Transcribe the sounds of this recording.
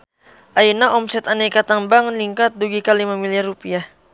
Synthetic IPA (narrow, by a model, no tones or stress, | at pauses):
ʔainaʔɔmsɛt̪anekat̪aŋbaŋliŋkat̪̚duɡikalimamiliarupiah